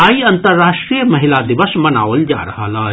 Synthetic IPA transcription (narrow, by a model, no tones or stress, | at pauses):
aĩɐnt̪əɾːaːʃʈɾijəməɦilad̪iʋəsmɐnaːʋəld͡ʒa̰ɾɐɦalaː